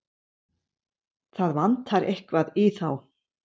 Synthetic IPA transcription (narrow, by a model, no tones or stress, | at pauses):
θaðvant̪haɾʔehkvaðɪθaw